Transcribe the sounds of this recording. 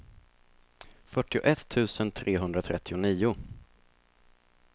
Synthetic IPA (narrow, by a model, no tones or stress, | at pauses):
fœʈːɪʊ̰ʔɛt̪ʰːʉ̟ːsənt̪ʰɾʔeːɦɵnd̪ɾat̪ʰɾɛt̪ʰːɪʊniːʊ